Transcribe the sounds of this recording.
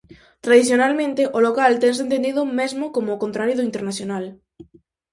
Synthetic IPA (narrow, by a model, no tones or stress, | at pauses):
t̪ɾaðiθjonalmẽnt̪eʔolokalt̪eŋsent̪end̪iðʊmezmokomoːkont̪ɾaɾjoðʊint̪eɾnaθjonal